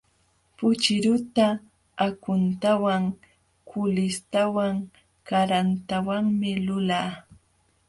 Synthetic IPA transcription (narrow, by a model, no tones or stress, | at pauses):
pʊt͡ʃɪɾʊt̪aː | kʊnt̪awaŋ | kʰʊlɪst̪awaŋ | kaɾant̪awaŋmɪlʊlaː